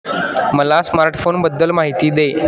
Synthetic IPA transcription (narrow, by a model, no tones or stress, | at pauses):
məlasmaɾʈfonbəd̪ːəlmaɦit̪iːd̪e